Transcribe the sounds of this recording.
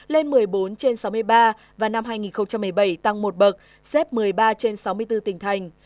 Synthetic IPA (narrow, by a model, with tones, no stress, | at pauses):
le˧nmɨ˨˩əjɓo˨˦nt͡ɕe˧nsa˨˦wm˧əjɓaː˧ | vaː˨˩na˧mɦaː˧jŋi˨˩nxə˧wŋ͡mt͡ɕa˧mːɨ˨˩əjɓə˧˩jt̪a˧ŋmo˨˩t̚ɓə˨˩k̚ | sɛ˦˥p̚mɨ˨˩əjɓaː˧t͡ɕe˧nsa˨˦wmɨ˧əjt̪ɨ˧t̪ï˨˩ŋ̟t̪ʰa˨˩jŋ̟